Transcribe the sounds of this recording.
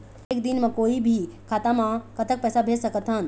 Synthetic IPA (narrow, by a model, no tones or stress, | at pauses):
eːkd̪inmãkoːibʱikʰaːt̪amãkət̪ək̚pɛːsabʱeːsəkət̪ɦən